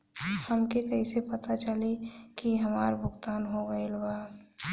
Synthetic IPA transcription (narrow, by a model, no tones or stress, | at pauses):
həmkekɐisepɐt̪at͡ʃəlekiɦɐmaːɾbʱʊɡt̪aːnɦoɡəelwaː